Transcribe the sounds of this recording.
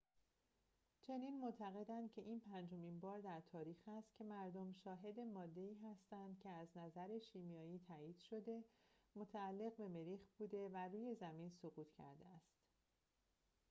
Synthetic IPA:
t͡ʃʰe̞niːnmot̪ʰæɣe̞d̪ænd̪̥̚cʰe̞ʔiːnpʰænd͡ʒo̞minbɒːɾd̪æɾt̪ʰɒːɾiːxæst̪̚cʰe̞mæɾd̪omʃɒːɦe̞d̪e̞mɒːd̪ːe̞iːɦæst̪ænd̪̥̚cʰe̞æznæzæɾe̞ʃiːmijɒːjiːt̪ʰæːiːd̪̥ʃo̞d̪e̞mo̞t̪ʰæːlːe̞ɣbe̞me̞ɾiːxbuːd̪e̞væruːje̞zæminsoɣuːt̪ʰcʰæ̰ɾd̪eæst̪

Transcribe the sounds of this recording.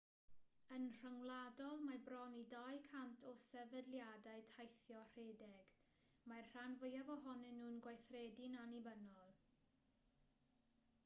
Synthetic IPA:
ənr̥əŋlˠadɔlˠmabrɔnidajkʰantʰɔsɛvədlˠjadaɨtʰajθjɔr̥eːdɛɡ̥ | marr̥anvəjavɔɦɔnɨnːuːnɡwajθrɛdɪnanibənɔlˠ

